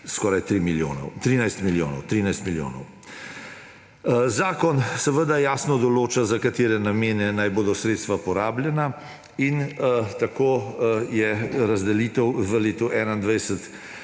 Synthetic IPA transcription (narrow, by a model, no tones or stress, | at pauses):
skɔːɾajt̪ɾimiljo̰ːnɔ̰wt̪ɾiːnajst̪miljoːnɔwt̪ɾiːnajst̪miljo̰ːnɔ̰w | zaːkɔnsɛʋəd̪ajaːsnɔd̪ɔloːt͡ʃazakat̪eːɾɛnameːnɛnajboːd̪ɔsɾeːt̪st̪ʋapɔɾaːblʲjɛna | int̪akoːjɛɾazd̪ɛliːt̪əwʋəleːt̪uʔɛːnaind̪ʋɛjsət̪